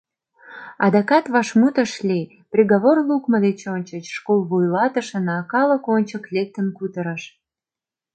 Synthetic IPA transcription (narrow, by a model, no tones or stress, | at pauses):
ɑd̪ɑkɑt̪βɑʃmut̪əʃlʲi | prʲeɣoβorlukməd̪et͡ɕonʲt͡ɕət͡ɕʃkolˠβujlɑt̪əʃənɑkɑləkonʲt͡ɕəklʲek̚t̪əmkut̪əɾəʃ